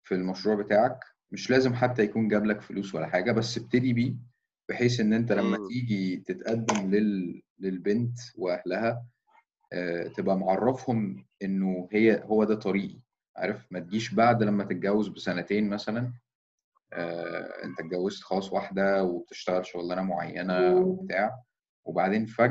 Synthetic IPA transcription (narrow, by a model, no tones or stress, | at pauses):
filmæʃɾuːʕbet̪aːʕæk | meʃlæːzemħat̪ːæjækuːnɡæblækfoluːswæ̰lːæħaːɡæbæsːb̚t̪ed̪ibiː | b̥eħeːsʔenːʔent̪ælæmːæt̪iːɡit̪et̪ʔæd̪ːæmlelː | elbent̪weʔæhlæhæ | ʔæt̪ebʔæmʕɑrˤːɑfhomʔenːohejːæhowːæd̪æːt̪ˤɑɾiːʔi | ʕa̰ːɾˤefmæt̪eɡiːʃbaʕd̪læmːæt̪et̪̚ɡæwːezbesænæt̪eːnmæsælæn | ʔæ̰ːʔḛnt̪æt̪̚ɡæwːezt̪xɑlɑːsˤwaħd̪æweb̚et̪e̥ʃt̪æɣælʃoɣlænæmoʕa̰jːænæwebet̪aːʕ | webaʕd̪eːnfæ